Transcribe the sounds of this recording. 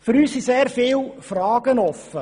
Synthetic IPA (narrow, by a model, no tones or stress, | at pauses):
fʏɾyːssiseːɾfɪːlfrɑːɡənɔfə